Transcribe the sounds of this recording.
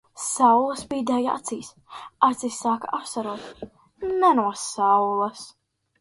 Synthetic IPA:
sawlˠɐsbiːd̪aja̰t̪siːs | at̪sisːaːkaʔapsaɾuɔt̪ | nɛnuɔsawlˠɐs

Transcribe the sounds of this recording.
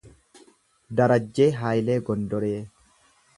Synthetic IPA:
d̪ɐɾɐd͡ʒːeːɦaːjleːɡɔnd̪ɔɾeː

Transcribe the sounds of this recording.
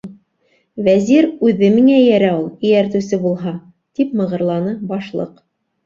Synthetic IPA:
væziɾʉðːɘmiŋæjæɾæulˠɘ̆jæɾt̪ʉ̆sɘbulˠɦɑ | t̪ipmɤ̆ʁɤ̆ɾlˠɑnɤbɑʃlˠɤ̰q

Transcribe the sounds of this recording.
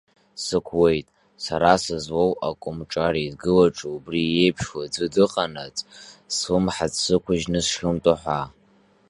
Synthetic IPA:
sɨkʷʰwe̞jtʼ | saɾasɨzwowʔa̰kʷʼʊmʈ͡ʂʼaɾidɡɨlaʈ͡ʂʼoubrie̞jpʰʂwad͡zʷɨdɨqʼanat͡sʼswɨmħat͡ssɨkʷʰʊʒnɨsχʲɪmtʼaħʷa

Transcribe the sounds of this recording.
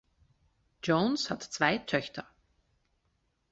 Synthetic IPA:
d͡ʒoːnshatt͡sv̥aɪtʰœçtʰə

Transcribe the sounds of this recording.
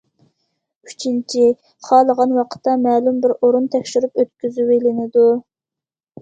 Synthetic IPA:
yt͡ʃʰint͡ʃʰi | χɑːlˠəʁɑnwɑqʰə̥t̪ːɑmɛːlumbɪɾoɾunt̪ʰɛkʲʃyɾupøt̪̚kʲyzywelɪnɪd̪u

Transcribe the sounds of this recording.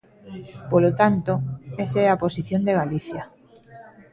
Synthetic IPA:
polot̪ant̪oeseaposiθjond̪eɣaliθja

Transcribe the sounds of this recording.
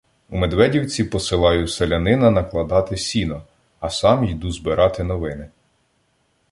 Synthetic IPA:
umed̪ʋɛdʲiwt͡sʲipɔsɪlˠɑjʊselʲɐnɪnɐnɐklˠɐd̪ɑt̪ɪsʲinɔ | ɐsɑmjid̪uzbɪɾʔɑt̪ɪnɔʋɪnɪ

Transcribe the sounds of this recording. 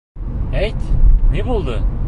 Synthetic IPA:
æjt̪nebolˠd̪ɤ

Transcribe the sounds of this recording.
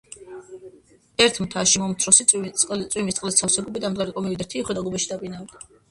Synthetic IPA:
ɛɾt̪ʰmt̪ʰaʃimɔmt̪sʰɾɔsitʼsʼq̪ʼsʼwimist̪ʼlɛst̪sʰafsɛɡɔbid̪amd̪ɡaɾikʼɔmivid̪ɛɾt̪ʰiχwɛd̪aɡɔbaʃid̪apʼinavd̪a

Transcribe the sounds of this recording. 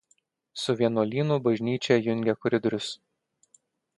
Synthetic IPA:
sʊʋʲiɛnulʲiːnuːbɐʒʲnʲiːt͡ʃʲɛjʊŋʲɡʲɛkɔɾʲɪd̪ɔɾʲʊs

